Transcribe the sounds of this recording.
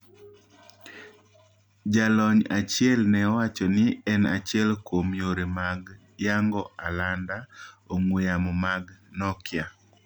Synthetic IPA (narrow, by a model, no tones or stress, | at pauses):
d͡ʒalɔɲat͡ʃɪɛlnɛɔwat͡ʃɔnɪɛna̰t͡ʃɪɛlkwomjoɾemaɡ | jaŋɡɔalandaoŋwejamɔmaɡnɔkja